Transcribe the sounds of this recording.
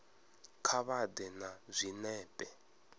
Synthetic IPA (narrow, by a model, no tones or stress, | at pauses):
kʰaβadɛnazʷinɛːpʼɛ